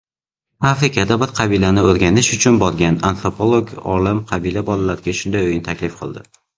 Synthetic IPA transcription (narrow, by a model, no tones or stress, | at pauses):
afɾɪkʲʰad̪abɪɾqʰɑbilanɪɵɾɡʲanɪʃʊt͡ʃʰʊnbɒɾɡʲana̰nfɾopʰolˠoɡɒ̰lɪmqʰɑbilabɒlalaɾɡʲaʃʊnd̪ajojɪnɪt̪ʰakʲlɪfqʰɒ̰lˠd̪ɪ